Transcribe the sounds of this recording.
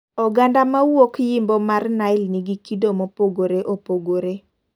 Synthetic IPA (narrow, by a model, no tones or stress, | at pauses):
ɔɡandamawokjimbɔmarnaɪlniɡikidomɔpoɡoɾeʔopoɡoɾe